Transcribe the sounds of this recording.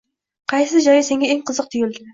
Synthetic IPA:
qʰɑjsɪd͡ʒɒjɪse̞ŋɡʲaeŋqʰɨzɨq̚t̪ʰʊjɪld̪ɪ

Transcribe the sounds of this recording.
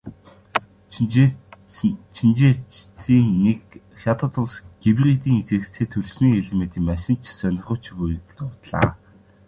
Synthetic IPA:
t͡ɕʰint͡ɕeːt͡ɕt̪ʰiːnːek | xʲjat̪ə̆t̪ʰʊɮsɡ̥iwrit̪̬iːŋit͡seːkt͡seːt̪ʰɵɮsniːeɮemet̪ʰiːmæʃɪ̆n̥t͡ɕʰsœnʲɪ̆rχʊ̆ːt͡ɕʰpuj̆kt̪ʊːt̪ɮa̰ː

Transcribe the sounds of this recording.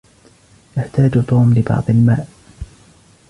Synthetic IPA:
jaħt̪aːd͡ʒt̪ˤuːmlɪbɑ̰ʕd̪ˤɪlma̰ːʔ

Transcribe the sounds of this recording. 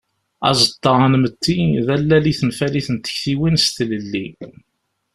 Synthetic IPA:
ɑ̰zˤət̪ˤːɑʁnmət̪ːiðælːæliθənfæliθənt̪ːə̥çθiwinst̪ləlːi

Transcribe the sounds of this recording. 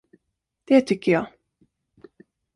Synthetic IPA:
d̪̥ɛt̪ʰʏkːəjɑː

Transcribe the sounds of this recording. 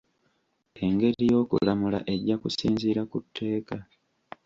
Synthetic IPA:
e̞ŋɡe̞ɾijo̞ːkṵlamula̰ʔe̞ɟːakusiːnziːɾakutʰːe̞ːka

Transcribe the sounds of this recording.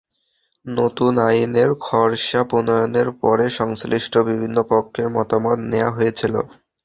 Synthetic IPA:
not̪unajineɾkʰɔɾʃaponɔjoneɾpɔɾeʃɔŋsliʃʈʰobibʱinːopokʰːeɾmɔt̪amot̪neja̰ɦojet͡ɕʰilo̰

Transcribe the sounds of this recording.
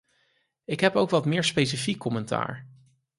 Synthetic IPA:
ɪkɦɛpowkʋɑtmɪːɹspejsəfikːɔmɛnta̰ːɹ

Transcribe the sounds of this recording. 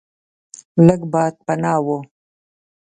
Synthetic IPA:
ləɡbɑːd̪̚pɐnɑːwo

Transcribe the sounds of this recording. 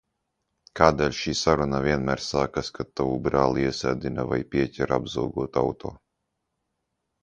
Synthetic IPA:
kaːd̪ɛːlʲʃiːsaɾunavʲiɛnmæːɾsaːkaskat̪ːavubɾaːlˠiiɛsʲæːd̪inava̰jpʲiɛcʲɛɾabzawɡuɔt̪a̰wt̪ʰo̰ː

